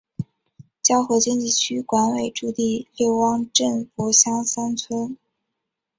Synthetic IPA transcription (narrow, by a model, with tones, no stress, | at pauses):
t͡ɕjɑ˥ʊxwɤ˧˥t͡ɕi˥nt͡ɕi˥˩t͡ɕʰy˥kwa˧˥nwe˨˩ɪʈ͡ʂu˥˧t̪i˥˧lje˥˩ʊwɑ˥ŋʈ͡ʂə˥˩npɔ˧˥ɕjɑ˥ŋsa˥nt͡sʰwə˥n